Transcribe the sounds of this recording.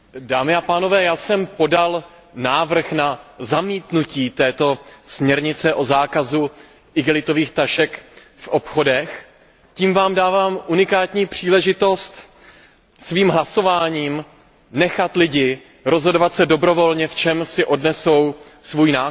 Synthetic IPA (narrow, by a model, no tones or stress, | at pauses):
daːmɪapaːno̞vɛːjaːsɛmpo̞dal | naːvr̩xnazamiːt̪nuciːt̪ɛːt̪o̞smɲɛɾɲɪt͡sɛʔo̞zaːkazu | ʔɪɡɛlɪt̪o̞viːxt̪aʃɛk | fʔopxo̞dɛx | ciːmvaːmdaːvaːmʔunɪkaːt̪ɲiːpr̝̥iːlɛʒɪt̪o̞st̪ | sviːmɦlaso̞vaːɲiːm | nɛxat̪lɪɟɪ | ɾo̞zɦo̞dovat̪sɛdo̞bɾo̞vo̞lɲɛft͡ʃɛmsɪʔo̞dnɛso̞w | svuːjnaː